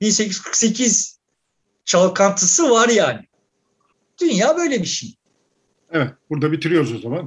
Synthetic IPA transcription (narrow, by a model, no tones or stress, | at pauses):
binse̞cʰiz̥kʰɯ̥kse̞cʰiz̥ | t͡ʃʰalˠkʰant̪ʰɯsɯvaɾjaːnɪ | d̪̥ynjaːbø̞jlʲebiʃḭj | evɛt̪̚buɾd̪abit̪ʰiɾijo̞ɾuzo̞zaman